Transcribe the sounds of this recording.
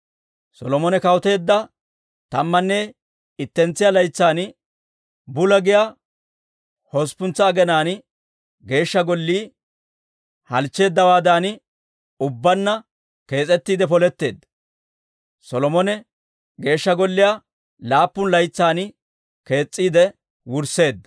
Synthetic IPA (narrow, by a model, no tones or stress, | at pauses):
sɔlɔmɔnɛkɐwɔt̪e̞ːd̪ːɐ | t̪ɐmːɐnːɛ | ɪt̪ːɛnt͡sːɪjalɐjt͡sːaːn | bʊlɐɡɪja | hɔspʊnt͡sːɐːɡɛnaːn | ɡe̞ːʃːɐɡɔlːiː | hɐlt͡ʃːe̞ːd̪ːɐwaːd̪aːn | ʊbːɐnːɐ | ke̞ːt͡sʼɛt̪ːiːd̪ɛpɔlɛt̪ːe̞̰ːd̪ːɐ̥ | sɔlɔmɔnɛ | ɡe̞ːʃːɐɡɔlːɪja | laːpːʊnlɐjt͡sːaːn | ke̞ːt͡sʼːiːd̪ɛ | wʊɾse̞ːd̪ːɐ